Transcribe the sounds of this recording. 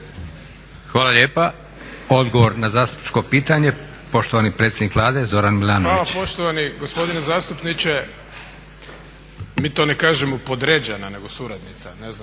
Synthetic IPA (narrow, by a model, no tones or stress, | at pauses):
xʋaːlaʎeːpa | o̞d̪ɡoʋo̞ɾnazaːst̪u̥pni̥t͡ʃko̞piːt̪aɲe̞ | po̞ʃt̪oʋanipɾet̪sjed̪nikʋlˠaːd̪e̞zo̞ɾanmilˠaːnoalapoʃt̪oʋaniɡospo̞d̪inezaːst̪upnit͡ʃe | miːt̪onekaːʒemopod̪ɾed͡ʑenane̞ɡosuɾad̪nit̪sanezna